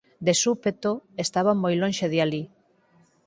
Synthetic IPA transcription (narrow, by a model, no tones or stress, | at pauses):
d̪esupet̪oest̪aβamojlõnʃeðjali